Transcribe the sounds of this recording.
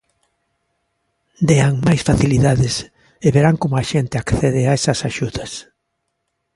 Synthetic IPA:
d̪eaŋmajsfaθiliðaðɪs | eβeɾaŋkomʊaʃent̪ɪakθeð̞ɪaesɐsaʃuðɐs

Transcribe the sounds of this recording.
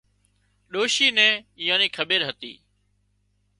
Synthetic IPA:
ɗoːʃiːnɛ̃ːɪjãːniːkʰəɓeːɾɦət̪ḭː

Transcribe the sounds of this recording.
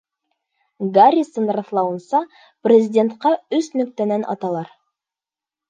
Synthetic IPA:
ɡaɾʲisɤnrɑθlˠɑwɤ̆nsɑ | prʲɪzʲɪdʲe̞nt̪qɑɵsnɵ̆k̚t̪ænænʔɑ̰t̪ɑlˠɑɾ

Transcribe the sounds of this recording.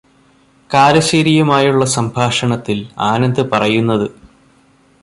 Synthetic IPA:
kaːɾɐɕeɾijumaːjuɭːɐsɐmbʱaːʂɐɳɐt̪ːilaːnɐnd̪ɨpɐrɐjunːɐðɨ

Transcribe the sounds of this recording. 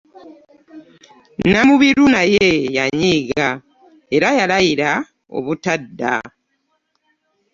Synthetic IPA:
namuβiɾunajejaɲiːɡa | e̞ɾajalajiɾa | o̞̰βutadːa̰

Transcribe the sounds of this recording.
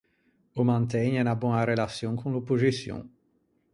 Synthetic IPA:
omãnt̪̬ɛɲenabɔ̃naɾelasjɔ̃kʰɔ̃lopuzisjɔ̰̃

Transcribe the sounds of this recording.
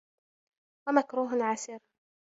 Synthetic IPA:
wamakɾuːɦʕasɪɾ

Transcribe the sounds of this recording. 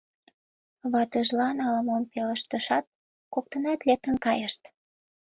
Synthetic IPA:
βɑt̪əʒlɑnɑləmompelə̆ʃt̪ə̆ʃɑt̪̚ | kok̚t̪ənɑt̪lek̚t̪ə̆nkɑjəʃt̪

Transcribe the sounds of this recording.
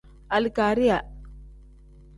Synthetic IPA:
ɐlikaːɾija

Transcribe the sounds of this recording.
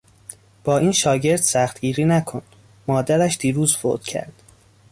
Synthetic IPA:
b̥ɒːiːnʃɒːɟe̞ɾd̪̥sæxt̪ɡiːɾiːnækʰond̪ | mɒːd̪æɾæʃd̪iːɾuːzfo̰d̪̥cʰæ̰ɾd̪̥

